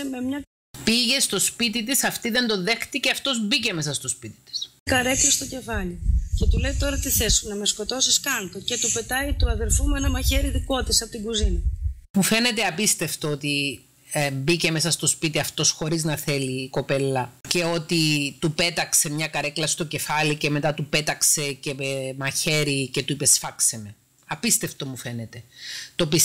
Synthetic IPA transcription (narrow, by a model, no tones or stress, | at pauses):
me̞mɲɐ | piʝe̞st̪o̞spit̪̬it̪isɐft̪iðe̞nd̪o̞nðe̞xt̪iceɐft̪o̞zbice̞mesɐst̪o̞spit̪i̥t̪i̥skɐɾeklɐst̪oce̞fɐlice̞t̪ule̞jt̪o̞ɾɐt̪iθesunɐmesko̞t̪o̞siskɐnt̪oce̞t̪upe̞t̪ɐit̪uɐðeɾfumenɐmɐçeɾiðiko̞t̪isɐpot̪iɡuzinɐmufe̞ne̞t̪e̞ɐpist̪e̞ft̪oot̪i | bice̞me̞sɐst̪o̞spit̪iɐft̪o̞sxo̞ɾiznɐθe̞liːko̞pe̞lːɐce̞o̞t̪it̪upe̞t̪ɐkse̞mɲɐkɐɾe̞klɐst̪o̞ce̞fɐlice̞me̞t̪ɐt̪upe̞t̪ɐkse̞ce̞mɐçe̞ɾice̞t̪uipe̞sfɐkseme̞ | ɐpist̪e̞ft̪o̞mufe̞ne̞t̪e̞t̪opis